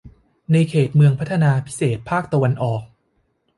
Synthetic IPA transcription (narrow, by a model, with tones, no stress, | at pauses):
na˧jkʰeː˨˩t̪̚mɯ˧əŋpʰa˦˥t̪ʰa˧naː˧pʰi̥˦˥seː˨˩t̪̚pʰaː˥˩k̚t̪a˧wa˧nʔɔː˨˩k̚